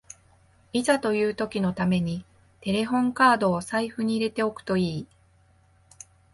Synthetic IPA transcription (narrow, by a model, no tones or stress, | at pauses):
izat̪o̞jɯ̟ːt̪o̞kʲino̞t̪ame̞ɲ̟i | t̪e̞ɾe̞ɦõ̞ŋkaːd̪o̞ːsaiɸɯ̟ɲ̟iːɾe̞t̪e̞o̞kɯ̟̥t̪o̞iː